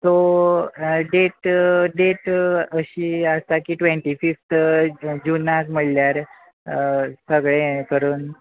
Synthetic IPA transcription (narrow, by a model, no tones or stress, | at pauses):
t̪o | ɖeʈɖeʈəɕiːast̪akiːʈʋeɳʈifift̪d͡ʑunakməɽljaɾ | səɡɭekəɾuːn